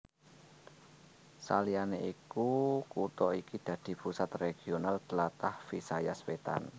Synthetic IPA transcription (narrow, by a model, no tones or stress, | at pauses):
sa̰lianeʔikukut̪ɔikid̪̥ä̤d̪̥i̤pusat̪reɡ̥ionalt̪lat̪ahfisajaswet̪a̰n